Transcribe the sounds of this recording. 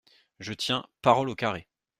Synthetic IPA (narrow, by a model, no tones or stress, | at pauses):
ʒət̪jɛ̃paʁɔlokaʁe